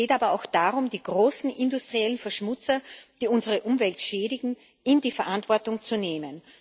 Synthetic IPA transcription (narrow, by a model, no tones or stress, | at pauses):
eːtaːbɐaʊxd̥aːʁʊmdiːɡ̥ʁoːsn̩ʔɪndʊstʁ̥iɛlənfɛɐʃmʊt͡sɐd̥iːʊnzəʁəʔʊmvɛltʃɛːɾɪɡŋ̩ | ɪndiːfɛɐʔantv̥ɔɐtʊŋt͡suneːmən